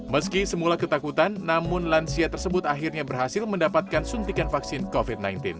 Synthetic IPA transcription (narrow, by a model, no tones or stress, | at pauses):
məskisəmulakət̪akut̪anːamʊnlansiat̪ərsəbʊt̪aɦirɲabərɦasɪlməndapat̪̚kansunt̪ikanfaksɪnkofit̪̚najnt̪ɪn